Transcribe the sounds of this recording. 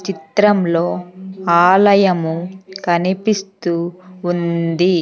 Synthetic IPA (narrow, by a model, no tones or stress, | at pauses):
t͡ʃit̪ɾɐmlo̞ːaːlɐjɐmukɐnipist̪uːnd̪i